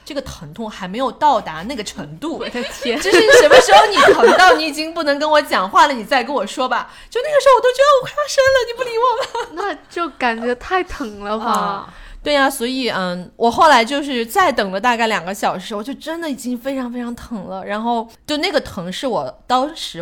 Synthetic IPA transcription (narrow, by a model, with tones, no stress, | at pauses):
ʈ͡ʂɤ˥˩ɡə˩t̪ʰɤ˧˥ŋt̪ʰʊ˥˩ŋxa˧˥ɪme˧˥ɪjo˨˩ʊt̪ɑ˥˩ʊt̪a˧˥na˥˩ɡə˩ʈ͡ʂʰɤ˧˥ŋt̪u˥˩ʈ͡ʂ̩˧˥ɻ̩˥˩ʂə˧˥mə˥ʂɻ̩˧˥xo˥˩ʊni˨˩t̪ʰɤ˧˥ŋt̪ɑ˥˩ʊni˧˥i˨˩t͡ɕi˥ŋpu˥˩nɤ˧˥ŋk̬ə˥nwɔ˧˥t͡ɕjɑ˨˩ŋxwa˥˩lə˩ni˨˩t͡sa˥˩ɪkə˥nwɔ˨˩ʂwɔ˥bɐ˨ | t͡ɕjo˥˧ʊna˥˩ɡəʂɻ̩˧˥o˥˩wɔ˨˩t̪ʊt͡ɕɥɛ˧˥də˧wɔ˧˥kʰa˥˩fa˥ʂə˥nlə˨ni˨˩pu˥˩li˧˥wɔ˥˩ba˨˩na˥˧t͡ɕjo˥˩ʊka˨˩nt͡ɕɥɛ˧˥t̪ʰa˥˩ɪt̪ʰɤ˧˥ŋlə˧ɐ˧ | t̪we˥˩ɪa˩swɔ˧˥i˨˩˥wʔɔ˨˩xo˥˩ʊla˧˥ɪt͡ɕjo˥˧ʊʂɻ̩˥˧t͡sa˥˩ɪt̪ɤ˨˩ŋlə˦t̪a˥˧ka˥˩ɪljɑ˨˩ŋɡə˦ɕjɑ˨˩ʊʂɻ̩˧˥wt͡ɕjo˥˩ʊʈ͡ʂə˥nd̪ə˨i˨˩t͡ɕi˥ŋfe˥ɪʈ͡ʂʰɑ˧˥ŋfe˥ɪʈ͡ʂʰɑ˧˥ŋt̪ʰɤ˧˥ŋlə˧ɻa˧˥nxo˥˧ʊt͡ɕjo˥˧ʊna˥˩ɡə˩t̪ʰɤ˧˥ŋʂɻ̩˥˩wɔ˨˩t̪ɑ˥ŋʂɻ̩˧˥